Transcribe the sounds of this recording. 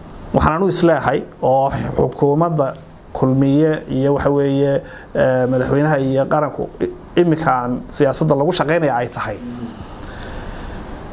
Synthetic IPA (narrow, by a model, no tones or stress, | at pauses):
wɑħɑ̰ːnaːnʊɪslɛːɦɛjɔːħʊkʰuːmɐd̪ɐ | kʰʊlmɪjɛijɔwɑħɑwɛːjɛ | mɐðɐħwɛjnɐɦɐijɔqɑɾɐŋkʰʊ̰ | ɪmɪkʰansɪjaːsɐd̪ːɐlɐɣʊʃɑqɛjnɐjaːɛjt̪ʰɐ̥hɛj